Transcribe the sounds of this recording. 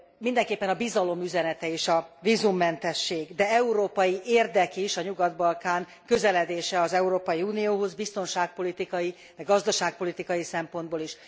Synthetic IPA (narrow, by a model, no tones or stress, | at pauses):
mind̪ɛŋkeːpːɛnɒbizɒlo̞myzɛnɛt̪ɛeːʃɒviːzumːɛnt̪ɛʃːeːɡd̪ɛɛuɾoːpɒjiʔeːrd̪ɛkiʃɒɲuɡɒd̪bɒlkaːŋ | kø̞zɛlɛd̪eːʃɛɒzɛuɾoːpɒjiuːnioːɦo̞zbist̪o̞nʃaːk̚po̞lit̪ikɒji | d̪ɛɡɒzd̪ɒʃaːk̚po̞lit̪ikɒjisɛmpo̞nd̪boːliʃ